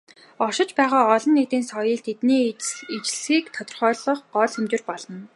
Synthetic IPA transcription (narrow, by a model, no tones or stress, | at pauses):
ɔʃɪ̆t͡ɕpæːʁaːɔɮɞ̆nːekt̪iːnsɔjə̆ɮt̪ʰet̪niːet͡ɕɮsxiːkt̪ʰɔt̪ɞ̆rχœːɮɞ̆χɢɔɮemt͡ɕʊ̆rpɔɮɞ̆n